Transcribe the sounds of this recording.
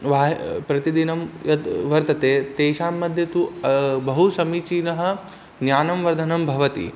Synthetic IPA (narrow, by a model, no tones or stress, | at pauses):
ʋaːɦpɾɐt̪id̪inɐmjɐt̪ʋɐɾt̪ɐt̪eːt̪eːʃaːmːɐd̪ʱjɐt̪ubɐɦusɐmit͡ʃiːnɐɦɐ̆ | njaːnɐmʋɐɾd̪ʱɐnɐmbʱɐʋɐt̪ḭ